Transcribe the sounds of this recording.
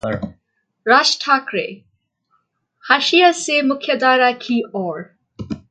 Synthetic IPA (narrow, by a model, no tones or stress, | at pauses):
ɾasʈʰakɾḛ | haʃijasemʊkʰjɐd̪aːɾakʰiʔɔɾ